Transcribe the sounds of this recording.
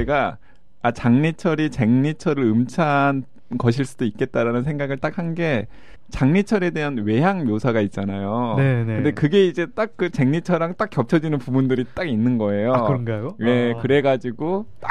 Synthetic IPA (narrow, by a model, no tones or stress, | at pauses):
eɡa | at͡ɕaŋɲit͡ɕʰʌɾit͡ɕe̞ŋɲit͡ɕʰʌɾɯɾɯmt͡ɕʰan | kʌɕ̬ʰiɭs͈udoik͈̚e̞t̚t͈aɾanɯns̬ʰe̞ŋɡaɡɯɭt͈ak̚hanɡe̞ | t͡ɕaŋɲit͡ɕʰʌɾe̞de̞ɦanwe̞ɦaŋmjosʰaɡait̚t͡ɕ͈anajoɯndekɯɡe̞id͡ʑe̞t͈ak̚k͈ɯt͡ɕe̞ŋɲit͡ɕʰʌɾaŋt͈ak͈ːjʌp̚t͡ɕʰʌd͡ʑinɯnpubundɯɾit͈aɡinːɯnɡʌe̞jokɾŋɡajojekɯɾe̞ɡad͡ʑiɡota